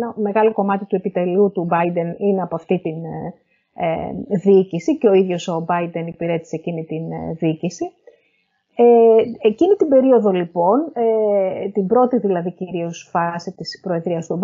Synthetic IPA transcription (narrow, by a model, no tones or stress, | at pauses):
nɐme̞ɣɐlo̞ko̞mɐt̪it̪uepit̪e̞lut̪ubɐid̪e̞nine̞ɐpoɐft̪it̪in | ḛðicisiceo̞iðʝo̞so̞bɐid̪e̞nipiɾe̞t̪i̥seecinit̪inðicisi | eecinit̪ibe̞ɾio̞ðo̞lipo̞net̪imbɾo̞t̪iðilɐðiciɾio̞sfɐsit̪ispɾo̞e̞ðɾiɐst̪ob